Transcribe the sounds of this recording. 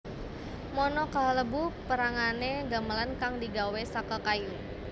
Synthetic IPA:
mɔnɔkaləbupəɾaŋaneɡaməlankaŋdiɡawesakəkaju

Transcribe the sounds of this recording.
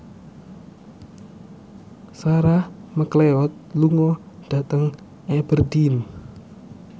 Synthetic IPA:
saɾahməkleɔt̪̚luŋɔ | d̥at̪əŋ | ɛb̥ərdim

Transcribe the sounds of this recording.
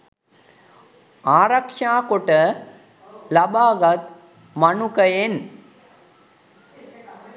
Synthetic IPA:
aːɾɐkʂaːkoʈə | lɐbaːɡɐt̪ | mɐnukɐjen

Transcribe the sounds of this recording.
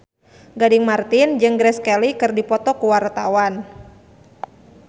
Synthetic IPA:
ɡadiŋmart̪ind͡ʒɨŋɡɾɛskɛlikɨrdipɔt̪ɔkuwart̪awan

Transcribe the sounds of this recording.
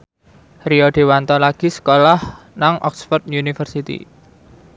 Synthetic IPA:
riɔɖ̥e̤want̪ɔlaɡ̥i̤sə̥kolah | naŋʔɔ̰ksfɔrd̪unifərsit̪ḭ

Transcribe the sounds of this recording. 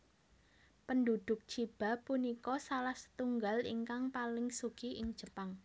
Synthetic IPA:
pəndud̪̥ʊk̚t͡ʃib̥a̤punikɔsalahsə̥t̪uŋɡalḭŋkaŋpalɪŋsukiʔɪŋ̥d͡ʒ̥ə̤paŋ

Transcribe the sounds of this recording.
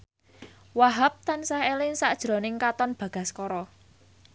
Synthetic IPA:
waɦap̚t̪ansaɦelɪŋsaʔd̥ʒ̥ɾo̤nɪŋkat̪ɔnb̥ä̤ɡ̥a̤skɔɾɔ

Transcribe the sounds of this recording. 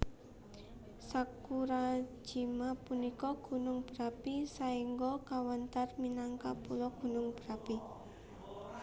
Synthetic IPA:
sakuɾḁd͡ʒ̥i̤mapunikɔɡ̥ṳnʊŋb̥əɾapisaiŋɡɔkawant̪arminaŋkapulɔɡ̥ṳnʊŋb̥ɾapi

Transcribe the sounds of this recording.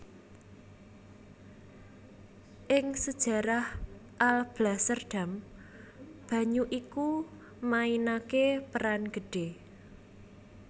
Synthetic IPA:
ʔɪŋsəd̥ʒ̥a̤ɾahʔalb̥lasərɖ̥a̤m | b̥ä̤ɲuʔiku | mainakepəɾanɡ̥ə̤ɖ̥e̤

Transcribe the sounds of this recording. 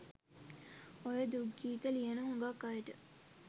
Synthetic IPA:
ojəd̪uɡːiːt̪əlijənəɦuŋɡakːajəʈə

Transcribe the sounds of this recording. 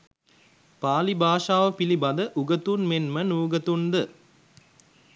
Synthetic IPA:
paːlibaːʂaːʋəpilibɐd̪əʔuɡət̪unmenmənuːɡət̪und̪ə

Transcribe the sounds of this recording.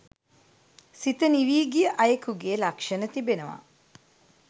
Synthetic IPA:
sit̪əniʋiːɡijəʔɐjəkuɡeːlakʂənət̪ibenəʋa̰

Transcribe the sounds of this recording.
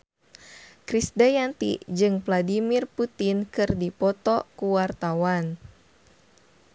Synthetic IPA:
kɾisdajant̪ḭd͡ʒɨŋvladimirput̪inkɨrdipɔt̪ɔkuwart̪awan

